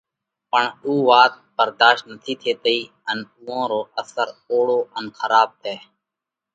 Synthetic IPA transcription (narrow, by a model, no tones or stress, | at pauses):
pəɳuːʋaːt̪̚bəɾd̪aːʃt̪nət̪ʰiːt̪ʰeːt̪əiː | ənuːõːɾoːʔəsəɾoːɽoːʔənxəɾaːb̚t̪ʰeː